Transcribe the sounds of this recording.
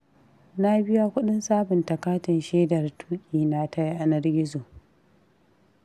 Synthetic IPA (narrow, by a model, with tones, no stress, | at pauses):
na˦bɪ˦ja˦kʷʊ˦ɗɪ˦nsaː˦bɪ˨ntɐ˨kaː˦tɪ˨nʃeː˦dɐ˨rtʰuː˦kʲʼiː˨na˦tʰa˦jʔa˨nɐ˦rɡʲɪ˦zoː˨